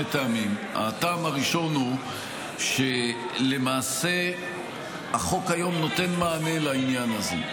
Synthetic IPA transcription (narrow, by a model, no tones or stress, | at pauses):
etaamima̰taːmaʁiʃo̞nhu | ʃe | le̞maːse̞ | aχo̞kajo̞mno̞te̞nmaːne̞lainjanazḛ